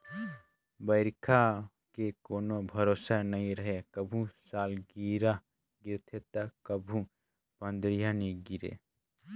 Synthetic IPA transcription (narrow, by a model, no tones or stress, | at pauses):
bəɪɾkʰa | kekoːnobʱəɾosanəĩɾəɦekəbʱũsalɡiɾa | ɡiɾt̪ʰet̪əkəbʱũ | pənd̪ɾijaniɡiɾḛ